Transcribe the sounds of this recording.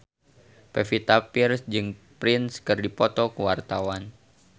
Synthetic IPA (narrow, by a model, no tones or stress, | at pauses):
pɛfit̪apirsd͡ʒɨŋpɾɪnskɨrdipɔt̪ɔkəwart̪awan